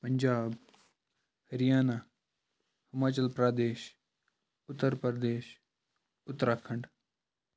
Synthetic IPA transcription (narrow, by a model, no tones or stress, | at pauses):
pɐɲd͡ʒaːb | hɐɾijaːna | hɐmaːt͡ʃəlpɾaːd̪eːʃ | ʊt̪ːəɾpəɾd̪eːʃ | ʊt̪ːɾaːkʰɐɳɖ